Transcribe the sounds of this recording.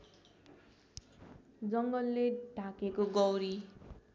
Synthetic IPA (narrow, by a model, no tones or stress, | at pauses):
d͡zʌŋɡʌlːeɖʱakekoɡʌwɾi